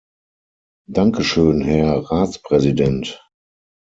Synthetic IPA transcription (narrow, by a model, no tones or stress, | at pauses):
daŋkəʃøːnhɛɐʁaːt͡spʁ̥ɛzidɛnt